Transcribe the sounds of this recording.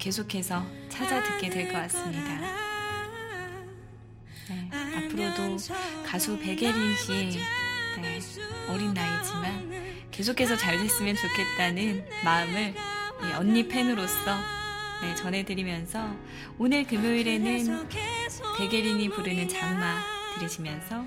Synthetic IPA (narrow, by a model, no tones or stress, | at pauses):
ke̞sʰokʰe̞sʰʌt͡ɕʰad͡ʑadɯk͈e̞dwe̞ɭk͈ʌk͈as͈ɯmɲida | ne̞apʰɯɾodokasʰupe̞ɡe̞ɾinɕi | neʌɾinːaid͡ʑiman | ke̞sʰokʰːe̞sʰʌt͡ɕaɭbis͈ɯmjʌnt͡ɕokʰe̞t̚t͈anɯnmaɯmɯɭiʔʌnːipʰe̞nɯɾos͈ʌne̞t͡ɕʌnɦe̞dɯɾimjʌnsʰʌ | onɯɭkɯmjoiɾe̞nɯn | pe̞ɡe̞ɾinipuɾɯnɯnt͡ɕaŋmatɯɾid͡ʑimjʌnsʰʌ